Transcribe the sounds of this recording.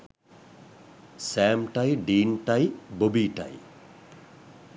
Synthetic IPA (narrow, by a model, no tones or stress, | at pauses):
sɛːmʈajɖiːnʈajbobiʈa̰j